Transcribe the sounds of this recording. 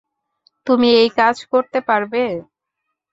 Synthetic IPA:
t̪umiejkad͡ʑkoɾt̪epaɾbe

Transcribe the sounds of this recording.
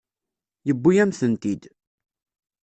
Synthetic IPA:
jəbːujæmθənt̪id̪

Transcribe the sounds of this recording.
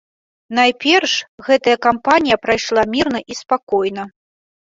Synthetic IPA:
najpʲɛrʂɣɛt̪ɐjɐkampanʲijɐpɾajʂlˠamʲirn̪ɐʔispakɔjnɐ

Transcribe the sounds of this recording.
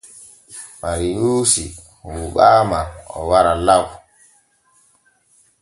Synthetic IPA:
maɾijuːsi | wuɓaːmaɔ̰waɾalaw

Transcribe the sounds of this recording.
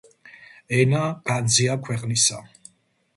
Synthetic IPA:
ɛnaɡ̥and̪ziakʰwɛqʼnisa

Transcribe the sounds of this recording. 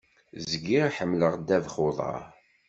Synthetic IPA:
zzəɡiɾħəmːləʁd̪ːævχoðˤɑ̰ɾ

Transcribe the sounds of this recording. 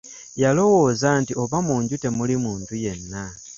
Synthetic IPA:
jalo̞wo̞ːzantio̞βamuːɲɟute̞mulimuːntuje̞nːa

